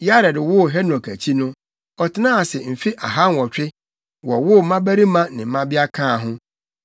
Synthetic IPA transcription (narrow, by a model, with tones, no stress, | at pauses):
ja˦ɾɛ˨dɪ˨wʊ˦ɦɛ˦nɔ˨kʰæ˨t͡ɕʰi˦nʊ̃˦ | ɔ˨tʰɪ˦nãː˦a˨sɛ˨m̩˨fi˦ʔa̰˨ɦa˦n˨wɔ˨t͡ɕᶣɪ˦ | wɔ˨wʊ˦˨˦mã˦bæ˦ɾi˦mã˦nɪ̃˨˦mã˦bi˦a˦kʰãː˦˨ɦʊ̃˦